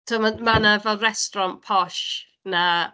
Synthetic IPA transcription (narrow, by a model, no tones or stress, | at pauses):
tʰumamanəvɛlˠrɛstɾɔnpʰɔʃ | na